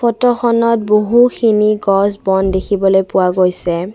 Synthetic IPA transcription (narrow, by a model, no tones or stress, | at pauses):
fɔtɔxɔnɔt̚boɦuxʰiniɡɔsbɔndekʰibɔlojpʊwaɡojsɛ